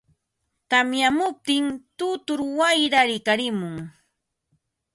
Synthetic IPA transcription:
t̪amjamʊp̚t̪ɪŋt̪ʊt̪ʊɾwajɾaɾɪkaɾɪmʊŋ

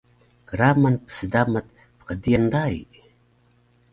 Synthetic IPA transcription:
kəɾamanpə̥sədamat̪̚ | pə̥qəd̪ijanɾaj

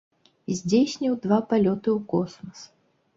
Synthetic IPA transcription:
zʲd͡zʲesʲnʲiwd̪vapalʲɔt̪ɨwkɔsmɐs

